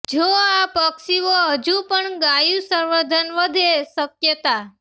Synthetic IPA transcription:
d͡ʒoapəksiʋoɦəd͡ʒupəɳɡajusəɾʋəd̪ʱənʋəd̪ʱesəkjət̪a

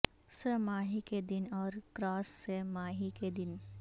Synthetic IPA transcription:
semaːɦiked̪ɪnɔːɾkɾaːsːemaːɦiked̪ɪn

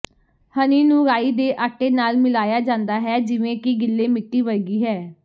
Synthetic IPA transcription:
həniːnũːɾaːiːd̪eːʔaːʈːeːnaːlmɪlaːjaːd͡ʒãːnd̪aːɦɛːd͡ʒɪʋẽːkɪɡɪlːeːmɪʈːiːʋəɾɡiːɦɛː

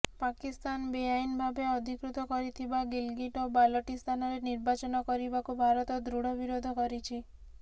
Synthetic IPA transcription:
pakist̪anbejainbʱabeɔd̪ʱikɾut̪ɔkɔɾit̪ʰibaɡilɡiʈɔbalɔʈist̪ʰanɔɾeniɾbat͡ʃɔnɔkɔɾibakubʱaɾɔt̪ɔd̪ɾuɽɔbiɾod̪ʱɔkɔɾit͡ʃʰi

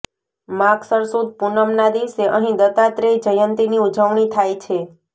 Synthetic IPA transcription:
maksəɾsud̪̚punəmnad̪iʋseʔəɦĩd̪ət̪at̪ɾed͡ʒəjənt̪iniud͡ʒʱəʋɳ̃it̪ʰajt͡ʃʰe

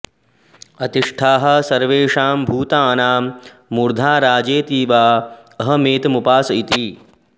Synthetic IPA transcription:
ɐt̪iʂʈʰaːɦɐ̆sɐɾʋeːʂaːmbʱuːt̪aːnaːmː | uɾd̪ʱaːɾaːd͡ʒeːt̪iːʋaːɐɦɐmeːt̪mupaːsɐit̪i

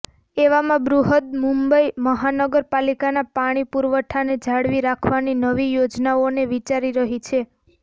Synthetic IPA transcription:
eʋamãbɾuɦəd̪̚mũmbəiməɦanəɡəɾpalikanapaɽ̃ipuɾʋəʈʰaned͡ʒʱaɽʋiɾakʰʋaninəʋijod͡ʒnaoneʋit͡ʃaɾiɾəɦit͡ʃʰe

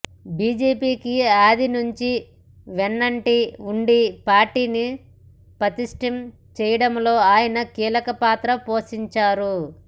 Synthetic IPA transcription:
biːd͡ʒeːpiːkiaːd̪inuɲt͡ʃi | ʋenːɐɳʈiuɳɖipaːɾʈiːni | pɾɐt̪iʂʈɐm | t͡ʃɛːjɐɽɐmlo̞ːaːjɐnɐkiːlɐkɐpaːt̪ɾɐpo̞ːʃiɲt͡ʃaːɾu

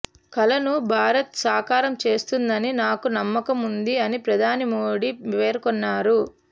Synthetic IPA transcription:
kɐlɐnubʱaːɾɐt̪saːkaːɾɐmt͡ʃe̞ːst̪und̪ɐninaːkunɐmːɐkɐmund̪iɐnipɾɐd̪ʱaːnimoːɽiʋeːɾkɔnːaːɾu

